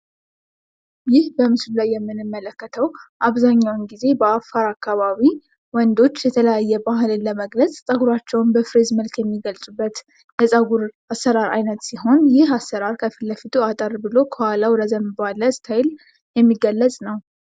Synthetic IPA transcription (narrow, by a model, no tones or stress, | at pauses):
jɪhbəmɨsɨlulajːɛmːɨnɨmːələkːət̪ʰəwʔaβzaɲːawnɡize̞bəafːaɾakːaβaβi | wɔnd̪o̞t͡ʃːjɛt̪ʰələjajːɛbahɨlɨnləməɡlət͡sʼsʼəɡuɾat͡ʃːɛwnbəfɨɾezməlkjɛmːiɡəlsʼubːət̪ | jɛsʼəɡuɾ | asːəɾaɾa̰jnət̪siɦo̞njɪhasːəɾaɾkʰəfɨlːəfit̪ʰuat̪ʼəɾbɨlo̞kʰəwalawɾəzəmbaləsʼt̪ʰajɪl | jɛmːiɡəlːəsʼnəw